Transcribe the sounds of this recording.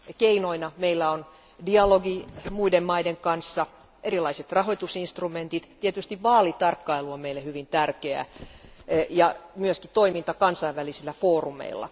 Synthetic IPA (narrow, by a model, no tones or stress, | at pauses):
keinoinɑmeilːæon | diɑloɡimuidemmɑideŋkɑnsːɑ | ʔeɾilɑiset̪rɑɦoit̪usinst̪rument̪it̪t̪iet̪yst̪iʋʋɑːlit̪ɑrkːɑiluomeilːehyʋint̪ærkeæ̰ | jɑmyøskit̪oimint̪ɑkɑnsɑiʋʋælisilːæfoːrumḛilˑːɑ̰